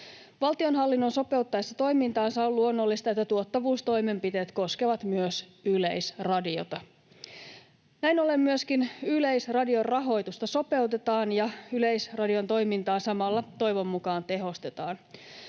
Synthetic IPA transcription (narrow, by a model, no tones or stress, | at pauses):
ʋɑlt̪io̞nɦɑlːinːo̞nso̞pe̞wt̪ːɑjesːɑt̪o̞jmint̪ɑːnsɑolːuonːo̞lːist̪ɑet̪ːæt̪uot̪ːɑʋuːst̪o̞jme̞mpit̪e̞ːt̪ko̞ske̞ʋɑt̪myøsylejsrɑdio̞̰t̪ɑ | næjno̞le̞mːyøskinylejsrɑdio̞rrɑɦo̞jt̪ust̪ɑso̞pe̞wt̪e̞t̪ɑːnjɑyle̞jsrɑdio̞nt̪o̞jmint̪ɑːsɑmɑlːɑt̪o̞jʋo̞mːukɑːnt̪e̞ɦo̞st̪e̞t̪ɑːn